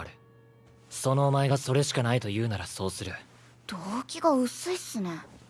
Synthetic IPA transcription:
ɾɯ̟ | so̞no̞ːmaeɡaso̞ɾe̞ɕi̥kanait̪o̞jɯ̟ːnaɾaso̞ːsɨɾɯ̟ | d̪̥oːkʲiɡoɯ̟sɨisɨne

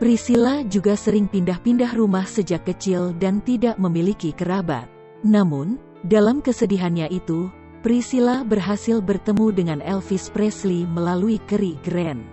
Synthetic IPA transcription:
pɾisilad͡ʒuɡasəɾɪŋpindahpindahrumahsəd͡ʒakːət͡ʃɪldant̪idaʔməmilikikəɾaba̰t̪̚ | namun | dalamkəsədiɦanɲaʔit̪u | pɾisilabərɦasɪlbərt̪əmudəŋanɛlfispɾɛsliməlaluikəɾiɡɾɛn

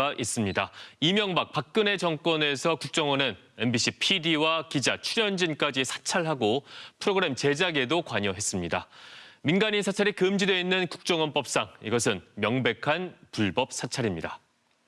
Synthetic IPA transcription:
aʔis͈ɯmɲidaimjʌŋbak̚pak̚k͈ɯne̞t͡ɕʌŋk͈wʌne̞sʰʌkuk̚t͡ɕ͈ʌŋʌnɯn | e̞nbiɕ͈ʰipʰidiwakid͡ʑat͡ɕʰuɾjʌnd͡ʑink͈ad͡ʑisʰḁt͡ɕʰaɭɦaɡopʰɯɾoɡɯɾe̞mt͡ɕe̞d͡ʑaɡe̞dokwaɲʌɦe̞s͈ɯmɲidaminɡaɲinsʰat͡ɕʰaɾikɯmd͡ʑidwe̞inːɯnku̥k̚t͡ɕ͈ʌŋʌnp͈ʌp̚s͈aŋiɡʌsʰɯnmjʌŋbe̞kʰanpuɭbʌp̚s͈ʰat͡ɕʰaɾimɲida

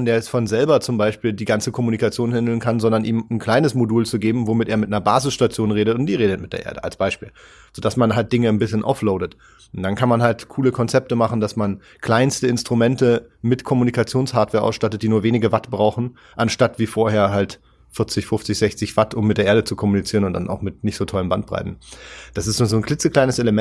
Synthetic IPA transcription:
nd̥eːɐɛsfɔnzɛlbɐt͡sʊmbaɪʃpiːldiːɡant͡səkʰɔmunikat͡sjoːnhɛndl̩nkʰanzɔndɐnʔiːmn̩kʰl̥aɪnəsmoduːlt͡suɡeːbm̩vomɪteːɐmɪt̚nɐbaːzɪsʃtat͡sjoːnʁeːɾətʊntd̥iːʁeːdət̚mɪt̚d̥eːɐʔeːɐdəʔa̰lsb̥aɪʃpiːl | z̥od̥asmanɦalt̚d̥ɪŋənbɪsçənʔa̰ʊfloʊdət | ʊnd̥ankʰanmanɦaltkʰuːləkʰɔnt͡sɛp̚təmaχn̩dasman | kʰl̥aɪnstəɪnstʁ̥umɛntəmɪtkʰɔmunikʰat͡sjoːnshaːɐtv̥eːɐʔa̰ʊsʃtatət̚d̥iːnuːɐveːnɪɡəvatb̥ʁaʊxn̩ | ʔanʃtatv̥iːfoːɐheːɐɦalt | fɪɐt͡sɪçfʊft͡sɪçz̥ɛçt͡sɪçv̥atʊmːɪtdeːɐʔeɐdət͡sukʰɔmunit͡siːʁənʊntd̥a̰nʔa̰ʊxmɪtnɪçtz̥oːtʰɔləmbant̚b̥ʁa̰ɪtn̩d̥asɪstzoːnzoːnkʰlɪt͡səkl̥aɪnəsʔeləmɛ

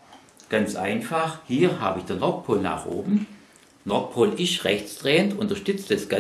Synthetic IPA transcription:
ɡ̥ant͡sʔa̰ɪnfaχhiːɐha̰ːbəɪçd̥eɐnɔk̚pʰoːlna̰ːχʔo̰ːbm̩ | nɔɐt̚pʰoːlɪʃʁɛçt͡sd̥ʁeːəntʊntɐʃtʏt͡stasɡ̥a

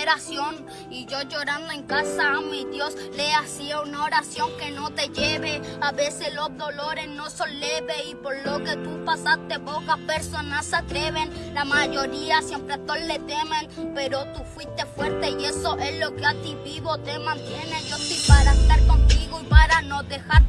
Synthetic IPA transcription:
ɾasjoŋ | id͡ʒod͡ʒoɾand̪oeŋkasaameid̪josleasiaunaoɾasjoŋkenot̪eʝeβeaβeseslozðoloɾesnosonleβeipoɾloket̪upasast̪ebokapeɾsonasat̪ɾeβen | lamaʝoɾiasjempɾet̪ollet̪emenpeɾot̪ufwist̪efweɾt̪eiesoʔehlokeat̪iβiβot̪emãnt̪jenejot̪ipaɾaest̪aɾkont̪iɣoipaɾanod̪exaɾ

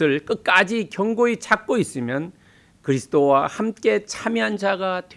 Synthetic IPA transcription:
ɯɭk͈ɯk̚k͈ad͡ʑikjʌŋɡoet͡ɕak̚k͈ois͈ɯmjʌn | kɯɾisʰt͈owahamk͈e̞t͡ɕʰamjiɦand͡ʑaɡatwe

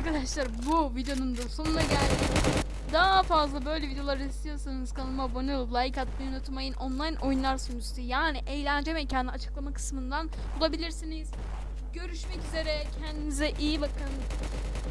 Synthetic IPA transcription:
aɾkʰad̪aʃlˠaɾbuvid̪jo̞numd̪aso̞nunaɟælʲd̪i | d̪afazlˠabø̞jlʲɛvid̪eo̞lˠaɾɯist̪ʰijo̞sanɯz̥kʰanɯmabonuublˠaikʰat̪̚binnot̪ʰɯmajɯnʔonlˠajnʔo̞junlˠaɾsunust̪ijaːniʔejlʲænd͡ʒɛmecʰaniat͡ʃʰɯ̥klˠamakʰɯ̥smɯnd̪an | bulˠabilʲiɾsiniz̥ | ɟø̞ɾyʃmɛcyze̞ɾɛcʰɛnd̪imizɛʔijibakʰɯn

